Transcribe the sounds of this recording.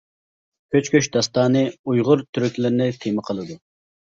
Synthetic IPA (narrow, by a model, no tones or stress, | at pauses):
kʲʰøt͡ʃkʲøʃd̪ɑst̪ɑːnɨujʁʊɾt̪ʰyɾykʲlɪɾnɪt̪ʰemɨqʰəlˠɨd̪u